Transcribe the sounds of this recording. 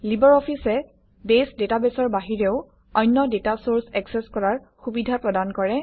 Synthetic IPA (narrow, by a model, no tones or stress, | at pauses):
libɔɹɔpʰisɛ | besdetabɛsɔɹbaɦiɹeʊ | ɔjnːɔdetasoɹsɛksɛskɔɹaɹ | xubidʱapɹɔdankɔɹɛ